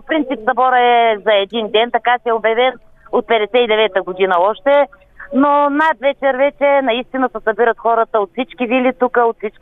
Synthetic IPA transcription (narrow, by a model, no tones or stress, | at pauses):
popɾint̪sipsɐbɔɾəɛzɐɛd̪ind̪ɛnt̪ɐkasɛɛobjɐvɛn | ot̪̚pɛd̪ɛsɛid̪ɛvɛt̪əɡʊd̪inəɔʃt̪ɛ | nonat̪vɛt͡ʃɛɾvɛt͡ʃɛnɐist̪inəsəsɐbiɾət̪xɔɾət̪əot̪fsit͡ʃkivilit̪ukəot̪fsit͡ʃk